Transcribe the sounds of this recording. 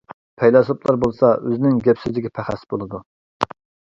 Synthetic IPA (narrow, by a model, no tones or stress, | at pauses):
pʰɛjlɑsoplˠɑɾbolˠsɑøzɪnɪŋɡʲɛpsɪzlɪkʲʰɛpʰæχæsb̥olˠɨd̪u